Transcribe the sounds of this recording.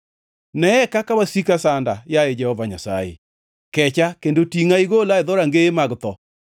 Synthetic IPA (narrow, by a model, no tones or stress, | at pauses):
nɛɛkakawasikasandajaed͡ʒɛhɔvaɲasa̰jḛ | kɛt͡ʃakendotiŋaiɡolaeðɔɾaŋɡeːmaɡt̪ɔ